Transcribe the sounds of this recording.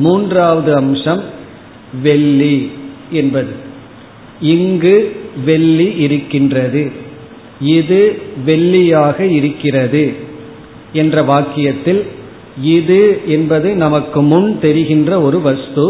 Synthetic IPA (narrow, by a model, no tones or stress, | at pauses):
muːndraːʋɐðɯɐmʂɐm | ʋɛɭːiɛnbɐðɯ | ɪŋɡɯʋɛɭːiʔɪɾɯkːɪndrɐðɯ | ɪðɯʋɛɭːɪjaːɣɐɪɾɯkːɪrɐðɯ | ɛndrɐʋaːkɪjɐt̪ːɪl | ɪðɯɛnbɐðɐɪnɐmɐkːɯmʊɳt̪ɛɾɪɣɪndrɐɔɾɯʋɐst̪ɯ